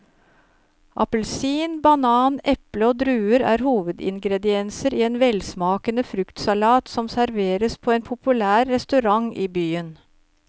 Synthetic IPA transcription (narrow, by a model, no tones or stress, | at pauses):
ʔɑ̰pəlsiːnbɑnɑːnɛpləoːd̪ɾʉːəɾæ̰ːɾhuːʋəd̪ɪ̰ŋɡɾɛd̪ɪɛnsəɾiːeːnʋɛlsmɑːkənəfɾʉkt̪sɑlɑːt̪sɔmsæɾʋeːɾəspʰoːeːnpʰʊpʉlæːɾːɛst̪ʉɾɑŋiːbyːən